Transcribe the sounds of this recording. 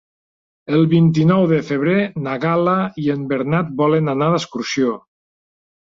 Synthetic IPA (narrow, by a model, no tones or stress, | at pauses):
əlˠβint̪inɔwðəfəβ̞ɾenaɣalaiəmbəɾnat̪̚bɔlənanaðəskuɾsio